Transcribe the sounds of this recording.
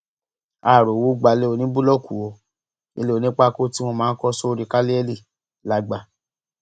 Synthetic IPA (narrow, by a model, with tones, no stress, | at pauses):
a˨ɾo˨wo˨˦ɡ͡ba˨˧le˦o˧nĩ˦bu˦lɔ˦˨ku˨wo˧˦ | ḭ˧le˦o˧nĩ˦k͡pa˦˨ko˦ti˦w̃ɔ̃˧mãː˦kɔ˦so˦˧ɾi˨˧˨ka˦li˦ɛ˦li˦˨ | la˨˧ɡ͡ba˧˨